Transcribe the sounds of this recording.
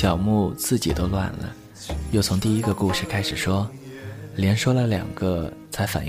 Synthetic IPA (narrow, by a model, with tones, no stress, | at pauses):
jɑ˨˩ʊmu˥˧t͡sɹ̩˥˩t͡ɕi˨˩t̪o˥ʊlwa̰˥˩nlə̰˩ | jo˥˩ʊt͡sʰʊ˧˥ŋt̪i˥˩i˧˥ɡə˧ku˥˧ʂɻ̩˥˩kʰa˥ɪʂɻ̩˨˩ʂwɔ˥ | ljɛ˧˥nʂwɔ˥lə˨ljɑ̰˨˩ŋɡə˧t͡sʰa˧˥ɪfa̰˨˩n